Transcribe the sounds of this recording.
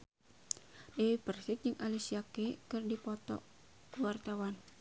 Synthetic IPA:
dewipərsɪk̪̚d͡ʒɨŋʔalisiakekɨrdipɔt̪ɔ̰ | kəwart̪awan

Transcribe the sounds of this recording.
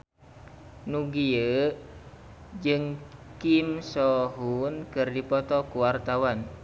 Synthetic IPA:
nuɡiə | d͡ʒɨŋkimsɔɦunkɨrdipɔt̪ɔkuwart̪awan

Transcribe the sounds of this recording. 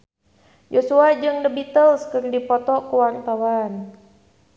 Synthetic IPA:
d͡ʒosuad͡ʒɨŋdəbit̪əlskɨrdipɔt̪ɔkuwart̪awan

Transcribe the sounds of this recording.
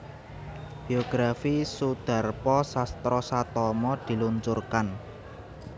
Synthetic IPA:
b̥ioɡ̥ɾafisud̪̥a̤rpɔsast̪ɾɔsat̪ɔmɔd̪̥i̤luɲt͡ʃurkan

